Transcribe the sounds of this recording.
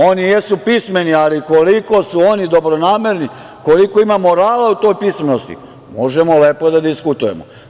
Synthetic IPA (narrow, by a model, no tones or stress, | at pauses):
o̞nijesupisme̞nialiko̞liko̞suo̞nid̪o̞bɾo̞naːme̞ɾni | ko̞likoimamo̞ɾaːlaut̪o̞ːjpisme̞nost̪ḭ | mo̞ʒemo̞le̞ːpo̞d̪ad̪iskut̪uje̞̰mo̰